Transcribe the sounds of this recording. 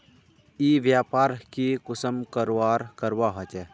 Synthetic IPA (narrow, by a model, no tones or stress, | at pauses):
iːʋjaːpaːɾkikʊsəmkəɾaːɾkəɾwaɦət͡ʃɛ